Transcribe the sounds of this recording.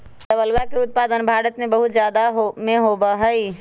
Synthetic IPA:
d̪əbəlʋakeʊt̪̚paːd̪ənbʱaːɾət̪mẽbəɦʊt̪zjaːd̪aɦmẽɦoːbaɦəi

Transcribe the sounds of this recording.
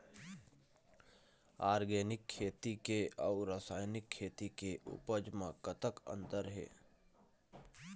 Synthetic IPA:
aːɾɡeːnɪkʰːeːt̪ikeaʊɾəsaːjnɪkʰːeːt̪ikeʔʊ̰pəd͡ʒmãkət̪əkə̰̃nd̪əɾɦḛː

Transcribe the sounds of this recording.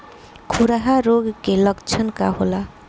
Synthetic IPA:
kʰuɾaɦaɾoɡkelʌɡt͡ʃʰʌnka̰ɦola

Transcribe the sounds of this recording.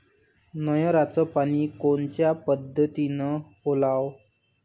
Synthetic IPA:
nəjɔ̃ɾat͡sɔpaɽ̃ikoɳt͡ɕjapəd̪ʱːət̪inə | olaw

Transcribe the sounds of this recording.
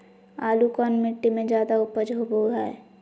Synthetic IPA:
aːlukɔːnmɪʈːimẽd͡ʒjaːd̪aʊpəd͡ʒɦoboːɡaɛ̰ː

